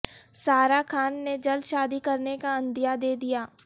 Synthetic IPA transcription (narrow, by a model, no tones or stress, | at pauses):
saːɾakʰaːnːed͡ʒɐld̪ʃaːd̪ikɐɾnekaɐ̃nd̪ijad̪eːd̪ijaː